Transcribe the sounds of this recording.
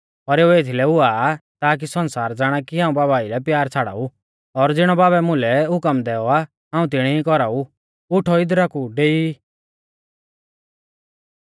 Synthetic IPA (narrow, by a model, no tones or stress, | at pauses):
ɔɾeːueːt̪ʰilɛʊaːt̪aːk̬isɔ̃nsaːɾd͡zaːɽ̃akiɦãːũbaːbaːilɛpjaːɾt͡sʰaɽa̰ːu | ɔɾd͡zɪɽ̃ɔbaːbɛmʊ̃lɛɦʊkəmd̪ɛːɔa | ɦãːũt̪̬ɪɽ̃ɛikɔɾaːu | ʊʈʰɔɪd̪ɾakuɖeːi